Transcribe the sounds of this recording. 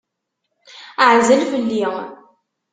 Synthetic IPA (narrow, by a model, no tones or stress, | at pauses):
əʕzəlfəlːi